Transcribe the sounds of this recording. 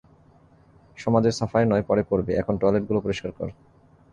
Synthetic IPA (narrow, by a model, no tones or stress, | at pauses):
ʃɔmad͡ʑeɾsafaenɔepɔɾepoɾbeɛkʰonʈajleʈ̚ɡulopoɾoʃkaɾkɔ̰ɾ